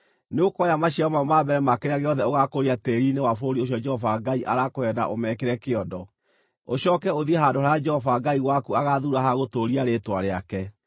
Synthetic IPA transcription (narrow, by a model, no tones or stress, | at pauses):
neokɔjamaɕiaɔmamabɛɾɛmakeɾeaɣeɔðɛoɣakoɾiateɾinewafoɾioɕjɔd͡ʒɛhɔvaɡaiʔa̰ɾakoɛda̰ʔomɛkeɾɛkeɔdɔ | oɕɔːkɛoðiɛɦaːndohaɾajad͡ʒɛhɔvaɡaiɣwakuaɣaðuɾaɦaɣotoɾiaɾetwaɾeakɛ